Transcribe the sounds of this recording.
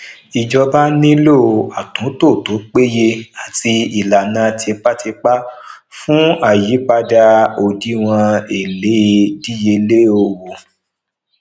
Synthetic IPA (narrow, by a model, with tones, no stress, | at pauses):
i˨d͡ʒɔ˧ba˦nĩ˦lo˦˨a˨tũ˨˦to˦˨to˨˦k͡pe˦je˧a˦˨ti˧i˨la˨nã˨˧ti˧k͡pa˦ti˧k͡pa˦ | fũ˦a˦˨ji˨˦k͡pa˧da˧o˧di˦w̃ɔ̃˧e˨le˨˦di˦je˧le˦o˧wo˨